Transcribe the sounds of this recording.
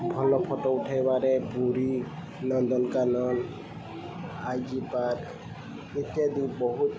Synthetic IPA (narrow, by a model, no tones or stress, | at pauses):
bʱɔlɔpʰɔʈɔuʈʰajbaɾɛbuɾi | nɔnd̪ɔnkanɔn | ajd͡ʒipaɾ | et̪jad̪ibɔɦut̪